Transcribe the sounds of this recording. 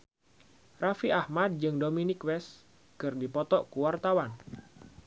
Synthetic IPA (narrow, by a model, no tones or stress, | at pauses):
rafiahmad̚d͡ʒɨŋdominikwɛs | kɨrdipɔt̪ɔkuwart̪awan